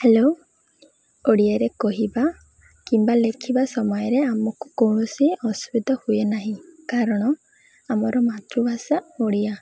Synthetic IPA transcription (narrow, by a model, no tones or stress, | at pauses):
helo | oɽiaɾekɔɦiba | kimbalekʰibasɔmɔjɔɾeamɔkukowɳ̃usiɔsubid̪ʱɔhujenaɦĩkaɾɔɽ̃ɔ | amɔɾɔmat̪ɾubʱasaoɽija